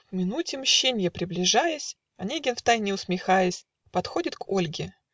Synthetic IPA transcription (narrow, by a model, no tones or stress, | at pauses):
vmʲɪnutʲɪmɕːenʲɪjəpɾʲɪblʲɪʐajəsʲ | ɐnʲeɡʲɪnft̪ajnʲɪʊsmʲɪxajəsʲ | pɐt̪xo̞dʲɪt̪ko̞lʲɡʲɪ